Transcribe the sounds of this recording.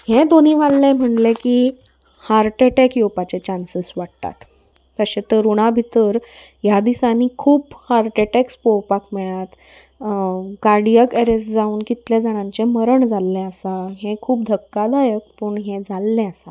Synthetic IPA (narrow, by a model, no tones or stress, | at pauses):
hẽd̪oniːʋalːɛ̃m̤əɳlẽki | haɾʈeʈekjopat͡ɕet͡ɕansisʋaɽt̪a̰t̪ː | əɕet̪əɾuɽ̃abʱit̪əɾjad̪isaniːkʰuːphaɾʈeʈekspowpakmɛɭat̪ | kaɾɽijəkeɾesd͡zauːnkit̪ljad͡zəɽ̃ãɲt͡ɕeməɾəɳd͡zalːɛ̃əsaɦẽkʰuːpd̪ʱəkːad̪ajək̚puɳɦeɛ̃d͡zʱalːɛ̃əsa